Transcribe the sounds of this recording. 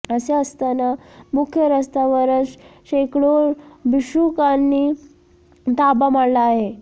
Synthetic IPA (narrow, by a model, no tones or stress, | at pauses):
əseəst̪anamukʰjəɾəst̪aʋəɾəsɕekɽoɾbiɕukanːiː | t̪abamaɽlaːɦe